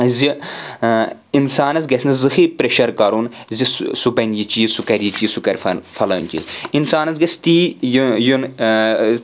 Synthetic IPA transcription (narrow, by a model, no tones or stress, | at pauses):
zʲi | insaːnɐzɡɐsʲnɨzɨhipɾeʃɐɾkɐɾuːnzʲissubɐnjit͡ʃiːsukɐɾʲjit͡ʃiːsukɐɾʲfɐfɐlɐːnʲt͡ʃḭsinsaːnɐzɡɐsʲt̪iːjun